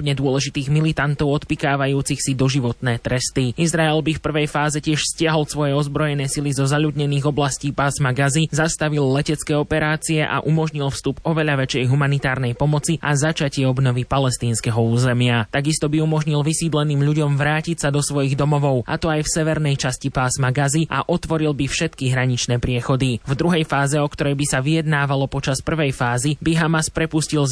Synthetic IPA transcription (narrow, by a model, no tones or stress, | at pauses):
pɲɛd̪ʊɔlɛʒit̪iːɣmilit̪ant̪ɔʊɔt̪pikaːʋajuːt͡sixsid̪ɔʒiʋɔt̪nɛːt̪ɾɛst̪iizɾaɛlbifpr̩ʋɛjfaːzɛcɪɛʃfscɪaɦɔlsʋɔjɛɔzbɾɔjɛnɛːsilizɔzaʎuːd̪ɲɛniːɣɔblasciːpasmaɡazizast̪aʋilˠlɛcɛt͡skɛːɔpɛɾaːt͡siɛʔa̰ʔumɔʒɲilˠfst̪upɔʋɛʎaʋɛt͡ʃɛjɦumanit̪aːɾnɛjpɔmɔt͡siʔazat͡ʃacɪɛɔbnɔvipalɛst̪iːnskɛɦɔuːzɛmɪat̪aɡist̪ɔbiumɔʒɲilʋisiːd̪lɛniːmʎuɟɔmvɾaːcicsad̪ɔsʋɔjiɣd̪ɔmɔʋɔʊa̰t̪ɔajfsɛʋɛɾnɛjt͡ʃascipaːsmaɡazia̰ʔɔt̪ʋɔɾilbifʃɛt̪kiɦɾaɲit͡ʃnɛːpɾɪɛxɔd̪ivd̪ɾuɦɛjfaːzɛɔkt̪ɔɾɛjbisaʋijɛd̪naːʋalɔpɔt͡ʃaspr̩ʋɛjfaːzibiɦamaspɾɛpuscil